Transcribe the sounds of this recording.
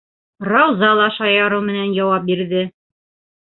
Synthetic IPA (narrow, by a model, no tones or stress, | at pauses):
rɑwzɑlˠɑʃɑjɑɾɤmɘ̆nænjɑwɑp̚biɾðɘ